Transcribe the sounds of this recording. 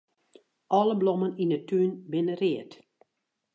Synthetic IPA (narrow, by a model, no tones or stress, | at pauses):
ʔɔlˠəbloməninətyːnbɪnərɪət